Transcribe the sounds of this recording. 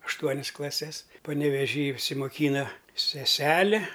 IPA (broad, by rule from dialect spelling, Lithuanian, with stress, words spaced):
ɐʃˈtuɔnʲɪs klˠɐˈsʲɛs pɐnʲɛʋʲɛˈʒʲiː ɪʃʲsʲɪmoːˈkʲiːnɐ sʲɛˈsʲæːlʲɪ